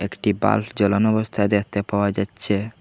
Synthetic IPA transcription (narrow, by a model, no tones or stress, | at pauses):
ekʈiba̰ld͡ʑɔlanɔbost̪ʰaed̪ekʰt̪epaoad͡ʑatːɕʰe